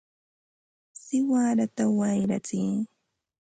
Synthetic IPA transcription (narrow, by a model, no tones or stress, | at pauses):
sɪwaːɾat̪awajɾat͡siː